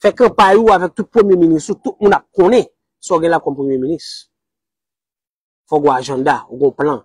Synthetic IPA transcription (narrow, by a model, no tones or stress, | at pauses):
fɛkãpajuavɛk̚t̪ut̚pχəmjeministutut̚mũndap̚kõnẽ | sɔ̃ɡɛ̃lakɔ̃mpʁəmjemĩnist | fɔɡɔ̃aʒãdaoɡɔ̃plã